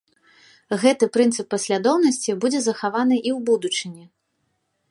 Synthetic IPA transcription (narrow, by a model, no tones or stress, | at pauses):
ɣɛt̪ɨpɾɨnt̪sɨpːɐsʲlʲad̪ɔwnɐsʲt͡sʲibud͡zʲɛzɐxavanɨʔiwbud̪ut͡ʂɨnʲi